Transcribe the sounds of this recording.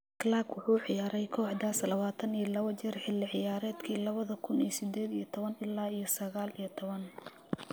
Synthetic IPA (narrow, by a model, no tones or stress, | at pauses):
klaːɡwʊħuːʕɪjaːɾɛjkʰɔːħd̪aːslɐβaːt̪ʰɐnijɞlɐβɐt͡ʃɪrħɪlːɪʕɪjaːɾɛːd̪kʰiːlɐβɐðɐkʰʊnisɪd̪ɛːd̪ijɞt̪ʰɔβɐnɪlːaːijɞsɐɣaːlijɞt̪ʰɔβɐn